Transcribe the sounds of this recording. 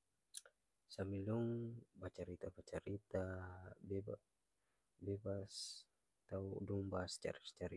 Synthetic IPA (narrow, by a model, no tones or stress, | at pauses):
samiluŋbat͡ʃaɾit̪abat͡ʃaɾit̪abɛb | bɛbas | t̪aṵduŋbast͡ʃa̰ɾist͡ʃaɾi